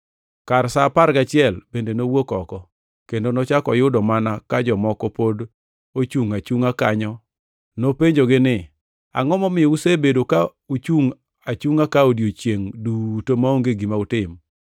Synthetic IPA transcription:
kaɾsapaɾɡat͡ʃɪɛlbendenowokɔkɔ | kendonot͡ʃakɔjʊdɔmanakad͡ʒɔmɔkɔpod | ot͡ʃuŋat͡ʃuŋakaɲɔ | nopeɲd͡ʒoɡɪnɪ | a̰ŋɔmɔmɪusebedoka | ut͡ʃuŋ | at͡ʃuŋakaodjot͡ʃjeŋdutomaoŋɡeɡimaʊtɪm

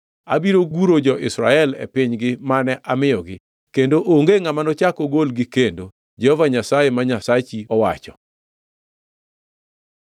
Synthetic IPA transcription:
a̰biɾoɡuɾod͡ʒɔʔɪsɾa̰ɛlɛ̰pɪɲɡɪmanɛʔamɪjɔɡɪ | kendoʔoŋɡeŋamanɔt͡ʃakɔɡolɡɪkendo | d͡ʒɛhɔvaɲasajemaɲasat͡ʃiɔwat͡ʃɔ

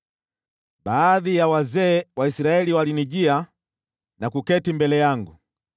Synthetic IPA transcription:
ɓaːðijawazɛːwaisiɾaɛliwaliniʄia | nakukɛtimbɛlɛjaŋɡṵ

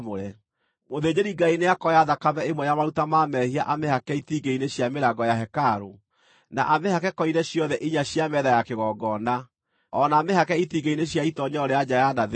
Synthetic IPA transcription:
moɾɛ | moðed͡ʑeɾiɡaineakɔjaðakamɛemwɛjamaɾutamamɛhiaʔamehakɛitiɡeineɕjameɾaɡɔjaɦɛkaɾo | na̰ʔamehakɛkɔinɛɕjɔðɛʔiɲaɕjamɛðajakeɣɔɡɔna | ɔnaːmehakɛitiɡeineɕjaitɔɲɔɔɾead͡ʑajanað

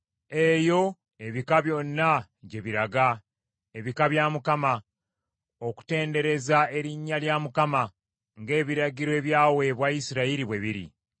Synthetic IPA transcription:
e̞jo̞ | e̞βikaβjo̞nːa | ɟe̞βiɾaɡa | e̞βikaβjamukama | o̞ku̥te̞ːnde̞ɾe̞zae̞ɾiɲːaljamukama | ŋɡe̞ːβiɾaɟiɾoe̞ːβjaːwe̞βwaisiɾaiɾiβwe̞βiɾḭ

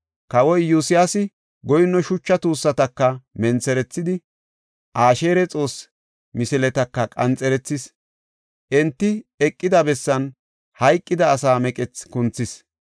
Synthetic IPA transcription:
kɐwɔjːusɪjasɪ | ɡɔjɪnːɔʃʊt͡ʃːɐt̪uːsːɐt̪ɐkːɐmɛnt͡sɛɾɛt͡sːɪd̪ɪ | ʔaːʃe̞ːɾɛt͡sʼo̞ːs | mɪsɪlɛt̪ɐkːɐkʼɐnt͡sʼɛɾɛt͡sːɪs | ʔɛnt̪ːɪɛkʼːɪd̪ɐbɛsːɐn | hɐjkʼːɪd̪ɐːsaːmɛkʼɛt͡skʊnt͡sːɪs

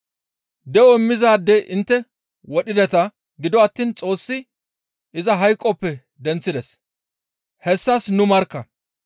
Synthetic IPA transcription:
d̪ɛwɔɪmːɪzaːd̪ɛʔɪnt̪ːɛ | wɔɗɪd̪ɛt̪ɐ | ɡɪd̪ɔɐt̪ːiːnt͡sʼo̞ːsːɪ | ʔɪzɐɦɐjkʼːɔpːɛ | d̪ɛnt͡sːɪd̪ɛs | hɛsːɐsnʊmɐɾkːɐ

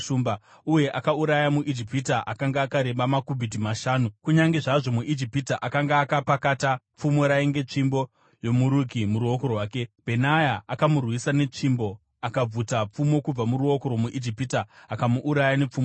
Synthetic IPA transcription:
umba | uje̞ʔakauɾajamuʔid͡ʒipitaʔakaŋɡaːkaɾe̞ɓamakuvidimaʃaːnukuɲaŋɡe̞ʐaʐo̞muʔid͡ʒipitaʔakaŋɡaːkapakata | p͡fumo̞ɾaeŋɡe̞t͡ʂimbo̞ | jo̞muɾukimuɾuokorwaːke̞bʱenajaakamurwisane̞t͡ʂimbo̞ | akab͡vutap͡fumo̞kub͡vamuɾuo̞ko̞ɾo̞muʔid͡ʒipitaːkamuʔːɾajanep͡fuːmo

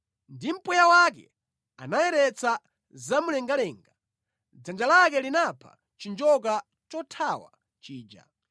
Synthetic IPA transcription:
ndim̩pujawak̬ɛ̰ | a̰najɛɾɛt͡sa | zamulɛŋɡalɛːŋɡa | d͡zand͡ʒalak̬ɛlinapʰa̰ | t͡ʃind͡ʒɔk̬a | t͡ʃɔtʰawa̰ | t͡ʃiːd͡ʒa̰

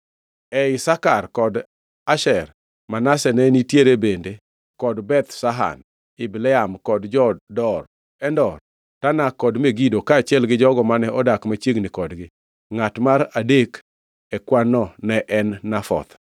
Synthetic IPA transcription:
ɛɪsakarkɔd | aʃɛr | manasɛnɛnitjeɾebende | kɔdbɛt̪saɦa̰n | ɪblɛamkɔdd͡ʒɔddɔr | ɛndɔr | tanakɔdmeɡidokaːt͡ʃɪɛlɡɪd͡ʒɔɡɔmanɛʔɔdakmat͡ʃjeɡnikɔdɡɪ | ŋatmaɾadek | ɛkwanɔnɛʔɛnːafɔ̰t̪

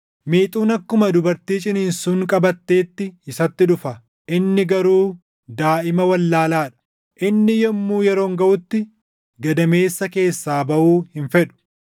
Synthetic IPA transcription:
miːt̪ʼuːnɐkːʊmɐd̪ʊbɐɾt̪iːt͡ʃʼɪniːnsuːŋkʼɐbɐt̪ːe̞ːt̪ːɪɪsɐt̪ːɪᶑʊfɐ | ʔɪnːɪɡɐɾuː | d̪aːʔɪmɐwɐlːaːlaːᶑɐ̥ | ʔɪnːɪjɔmːuːjɛɾo̞ːŋɡɐʔʊt̪ːɪ | ɡɐd̪ɐme̞ːsːɐke̞ːsːaːbɐʔuːhɪnfɛᶑʊ̥

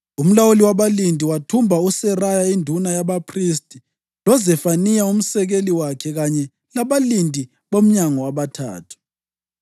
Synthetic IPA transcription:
um̩lawuliwaβalindʱiwatʰumbʱausɛrajaindʱunajaβapʰris̬tʼi | lɔzɛfanijaum̩sɛɣeliwakʰɛɣaɲɛ | laβalindʱi | βom̩ɲaŋɔwaβatʰa̰ːtʰu̥

